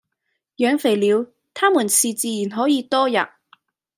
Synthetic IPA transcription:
jœː˨˧ŋfe˨˩jliː˨˧w | t̪ʰaː˥muː˨˩nsiː˨t͡siː˨˧jːnɦɔː˨˥jiː˨˧t̪ɔː˥jɐ̰˨˩t̚

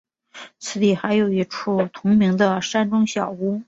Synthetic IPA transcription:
t͡sʰɹ̩˧˩t̪i˨˩xa˧˥ɪjo˨˩ʊi˧˥ʈ͡ʂʰu˥˩t̪ʰʊ˧˥ŋmi˧˥ŋd̪ə˧ʂa˥nʈ͡ʂʊ˥ŋɕjɑ˨˩ʊu˥

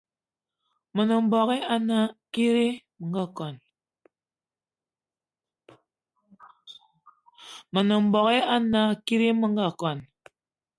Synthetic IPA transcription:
mo˨no˨m̩˨bɔ˨ɣe˦a˦na˦ki˦ɾi˦mə˨ŋ˦ɡa˦˨kɔ˨n | mo˨no˨m̩˨bɔ˨ɣe˦a˦na˨ki˦ɾi˦mə˦ŋ˦ɡa˦˨kɔ˨n

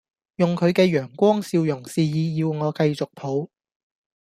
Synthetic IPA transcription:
jʊ˨ŋkʰɵ˨˧ɥkɛː˧jœː˨˩ŋkʷɔː˥ŋsi˧wjʊ˨˩ŋsiː˨˧jiː˨˧jiː˨˧wŋɔː˨˧kɐ˧jt͡sʊ˨k̚pʰo˨˥w

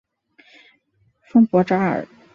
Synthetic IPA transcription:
fɤ˥ŋpwɔ˧˥ʈ͡ʂa˥ə̰˞˨˩

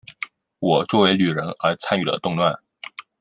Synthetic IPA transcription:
wɔ˨˩t͡swɔ˥˩we˧˥ɪly˨˩ɻə˧˥nə˞˧˥t͡sʰa˥ny˥˩lə̰˦t̪ʊ˥˧ŋt̪wa˥˩n

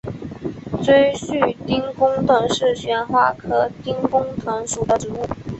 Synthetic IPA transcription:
t͡swe˥ɪɕy˥˨˩t̪i˥ŋkʊ˥ŋt̪ə˨˩ŋʂɻ̩˥˩ɕɥɛ˧˥nxwa˥˩kʰɤ˥t̪i˥ŋkʊ˥ŋt̪ʰɤ˧˥ŋʂu˨˩d̪ə˦ʈ͡ʂɻ̩˧˥u˥˩

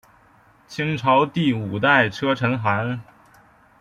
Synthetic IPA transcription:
t͡ɕʰi˥ŋʈ͡ʂʰɑ˧˥ʊt̪i˥˩u˨˩t̪a˥˩ɪʈ͡ʂʰɤ˥ʈ͡ʂʰɤ˧˥nxa˧˥n

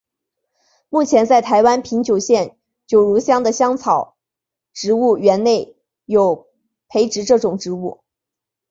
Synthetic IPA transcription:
mu˥˩t͡ɕʰjɛ˧˥nt͡sa˥˩ɪt̪ʰa˧˥ɪwa˥npʰi˧˥ŋt͡ɕjo˨˩ʊɕjɛ˥˩n | t͡ɕjo˨˩ʊɻu˧˥ɕjɑ˥ŋd̪ə˨ɕjɑ˥ŋt͡sʰɑ˨˩ʊ | ʈ͡ʂɻ̩˧˥u˥˩ɥɛ˧˥nne˥˩ɪ | jo˨˩ʊ | pʰe˧˥ɪʈ͡ʂɻ̩˧˥ʈ͡ʂɤ˥˩ʈ͡ʂʊ˨˩ŋʈ͡ʂɻ̩˧˥u˥˩

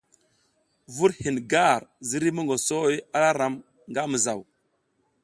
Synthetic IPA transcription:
vu˦ɾhi˨nɡa˦˨ɾzi˦ɾi˦mə˦ŋɡo˨so˦ja˦la˦ɾa˨˦m | ŋɡa˦mə˨za˨w

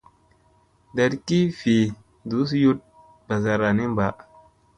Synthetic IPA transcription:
da˨ɾki˦fi˨ | du˨˦s̬ju˦t̚ | b̥a˨za˨ɾa˨ni˦m˦ba˨

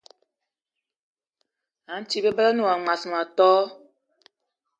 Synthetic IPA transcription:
a˨˦n̩˦t͡ʃi˦be˦bɛ˦la˦nu˨a˨ŋa˨su˨a˨tɔː˦

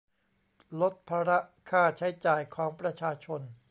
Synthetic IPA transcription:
lo˦˥t̪̚pʰaː˧ɾa˦˥ʔkʰaː˥˩t͡ɕʰa˦˥jt͡ɕaː˨˩jkʰɔː˩˦ŋpɾa˧t͡ɕʰaː˧t͡ɕʰo˧n

